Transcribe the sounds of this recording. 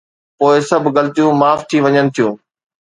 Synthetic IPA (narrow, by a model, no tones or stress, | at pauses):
poːɪsɐbʱɡɐlɪt̪ijũmaːft̪ʰiʋɐɲənɪ̆t̪ʰijũː